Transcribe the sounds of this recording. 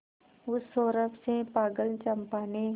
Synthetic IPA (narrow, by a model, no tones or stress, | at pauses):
ʊsoːɾəpʰsepaːɡəlt͡ʃɐmpaːne